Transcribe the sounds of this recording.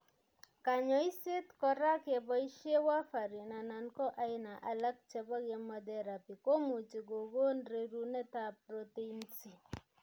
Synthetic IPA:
ka˨ɲɔ˦i˦se˦tkɔ˦ɾa˦ke˨bɔ˦i˦ʃje˦wa˦fa˨ɾi˨na˨na˨nkɔ˦ʔa˨ɪ˦na˨ʔa˨la˦k̚t͡ʃɛ˦bɔ˦kɛ˨mɔ˨dɛ˨ɾa˨pi˨ko˦mu˨t͡ʃi˨ɡo˨ɡo˦nɾe˦ɾu˦nɛ˦ta˨pɾɔ˦te˦insi˨

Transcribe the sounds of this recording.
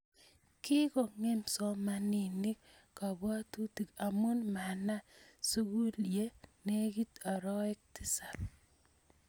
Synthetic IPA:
ki˦kɔ˨ŋe˦msɔ˦ma˨ni˨ni˦k | ka˨ba˦tu˦ti˨ka˨mu˦nma˨na˦su˦ɡu˦lje˦ne˦ki˦ta˨ɾɔ˦ɛ˦k̚tɪ˦sa˨p

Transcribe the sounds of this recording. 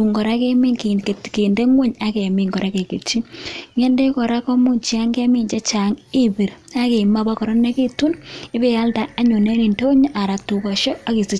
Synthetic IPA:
u˨ŋɡɔ˨ɾa˦ke˦mi˦kke˨tke˨nde˦ŋwo˦ɲa˦ke˨mi˨ŋɡɔ˨ɾe˦ke˨ke˨t͡ʃi˦ŋɛ˦nde˦kɔ˨ɾa˦kɔ˦mu˦ɲt͡ʃia˦ŋɡe˦mi˦ɲt͡ʃɛ˦t͡ʃa˨ŋɪ˦bi˨ɾa˦ke˨ma˦ba˦kɔ˨ɾɔ˦nːe˦ke˦tu˦nɪ˦be˨a˦ldaː˦ɲu˨ne˦ni˨nto˦o˦ɲ˦ʔa˨ɾa˨tu˨kɔ˨ʃɔ˦a˦ki˨si˦

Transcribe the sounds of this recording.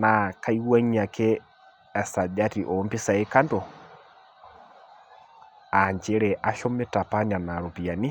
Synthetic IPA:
na˨ka˦i˦wa˦ɲa˨kɛː˦˨ | sa˨d͡ʒa˦ti˨ʔɔ˨˦mbi˦sa˨e˦ka˦ndo˨ | a˨ɲd͡ʒe˦ɾɛ˨ʔa˦ʃɔ˦mɛ˦ta˨pa˦ɲa˨na˨ɾo˨pi˨a˨ni˦

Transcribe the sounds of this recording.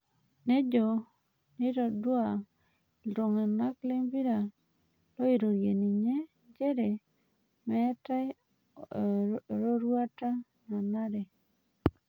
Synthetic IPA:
ne˦d͡ʒo˨ | ni˦ɾɔ˨dwa˨ | lo˨ŋa˨na˦kle˦mbi˦ɾa˨ | lo˦i˨ɾo˨ɾje˨ni˨ɲe˦ | d͡ʒe˦ɾe˨ | mɛ˦ta˦ | ɾo˦ɾwa˦ta˦ | na˨na˦ɾɛ˨

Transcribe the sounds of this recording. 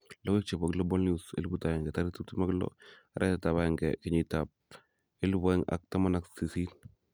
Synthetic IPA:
lɔ˦wɪ˦k̚t͡ʃe˨ba˨ɡlɔ˦bɔ˦lnusḛ˦lbu˦ta˨jɛ˨ŋɡɛ˨ta˦ɾɪ˦tu˦ti˦ma˦ɡlɔ̰˦a˨ɾʔɛ˦tata˨βa˦jɛŋɡɛ̰kɪ˨ɲi˦ta˨p̚ | ɪ˦lbɛ˦ŋa̰˨k̚ta˦ma˦na˦ksi˨si˦n

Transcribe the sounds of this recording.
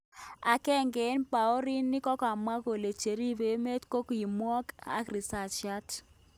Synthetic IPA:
a˨kɛ˦˨ŋɡe˨˦npa˨o˦ɾi˦nːɪ˦kɔ˦ka˨mwa˦ɣo˨le˨t͡ʃe˨ɾi˦βe˨˦me˦tko˦ki˨mwɔ˦ka̰˦kɾi˨sa˨t͡ʃa˦t

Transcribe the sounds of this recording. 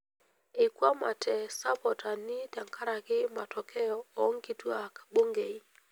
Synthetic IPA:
e˨kwa˦ma˨tʰɛ˨sa˦pɔ˨tʰa˨ni˦ta˨ŋkʰa˦ɾa˨ɣɪ˦ma˨tʰɔ˨kʰɛ˦ɔ˨ɔ˦ŋɡi˨tu˦a˦kḁ˨ɓo˦ŋɡɛ˨i˦

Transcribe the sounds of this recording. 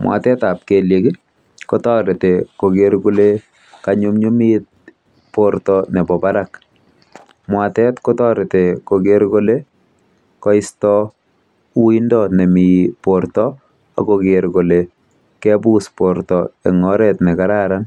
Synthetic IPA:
mwʔa̰˨tɛ˦ta˨p̚ke˨lje˨ki˦ | ko˦tɔɾe˨te˨ko˨keɾku˦le | kaɲu˦mɲu˦mi˦t̚ | poɾtɔne˨pɔ˨paɾak | mwa˨tɛ˦tko˦tɔ˦ɾe˨te˨ko˨keɾko˦le˦ | kɔ˦ɪstɔ˦ | u˦wi˦ndɔne˨mi˨poɾtɔ | a̰˨kokeɾko˨le˨ | kɛ˦bu˦spoɾtɔḛ˨ŋɔɾɛtne˨kaɾa˦ɾan

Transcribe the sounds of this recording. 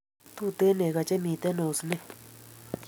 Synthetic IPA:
t̪u˦˧t̪e˦nẽ˨ɣa˧t͡ʃe˦mĩ˧t̪e˦nõ˧snẽ˦

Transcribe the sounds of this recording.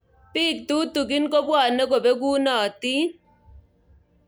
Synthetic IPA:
pi˦˨k̚tu˦tu˨kɪ˦nko˦bwa˨nɛ˦ɡo˨be˦ɡu˦nɔ˨ti˦

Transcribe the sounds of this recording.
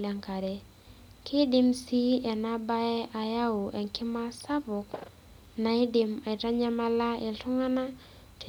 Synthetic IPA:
la˨ŋka˨ɾɛ˨ | kɪ˦dɪ˦msi˦ɛ˨na˦ba˦ɛ˦ʔa˨ja˦u˨ʔɛ˨ŋkɪ˦ma˦sa˦bʊ˨k | na˨ɪ˦dɪ˨ma˨ɪ˨ta˦ɲa˦ma˦la˦ɪ˨lɬʊ˦ŋa˦na˦ | tʰ

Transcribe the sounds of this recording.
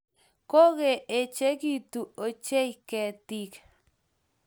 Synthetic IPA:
ko˦ɣe˨e˨t͡ʃe˦kit̪u˨o˨t͡ʃe˦ike˨t̪ik

